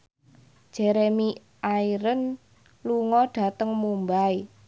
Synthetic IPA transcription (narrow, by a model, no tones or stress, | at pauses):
ʒ̥eɾemi | ʔaiɾən | luŋɔɖ̥a̤t̪əŋmumbai